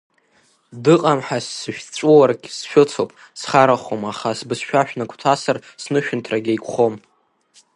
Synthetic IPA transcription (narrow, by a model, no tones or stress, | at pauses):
dɨqʼamħasːɨʃᶣt͡ɕʷʼuwarɡʲsʃʷᶣʊt͡sʰopʼ | sχaɾaχomaχasbɨsʃᶣaʃᶣnakʷʰtʰasarsnɨʃᶣʊntʰraɡʲajkʷʰʼχom